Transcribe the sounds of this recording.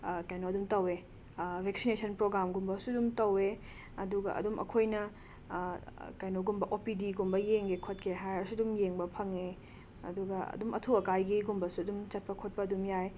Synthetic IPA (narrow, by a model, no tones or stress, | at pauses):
kajnoɐdumtɐwe | bʱek̚sinesɐnpɾoɡɾamɡumbɐsudumtɐwe | ɐduɡɐ̰ʔɐ̰dumʔɐ̰kʰojnɐ | kajnoɡumbɐʔopidiɡumbɐjeŋɡekʰot̚kʰeɦajɐsudumjeŋbɐpʰɐŋe | ɐ̰duɡɐɐ̰dumʔɐ̰tʰuwɐkajɡiɡumbɐsuɐdumt͡ʃɐt̚pɐkʰot̚pɐːdumjaj